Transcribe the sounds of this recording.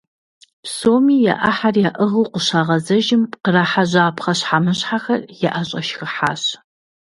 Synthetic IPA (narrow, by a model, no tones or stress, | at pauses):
psoːmiːja̰ʔaħarjaʔɨʁɨwqʷəɕaːʁɐzɐʒɪmqəraːħaʑaːpχɐɕħamɨɕħaxɐrjɛʔaɕʼɐʃxɨħaːɕ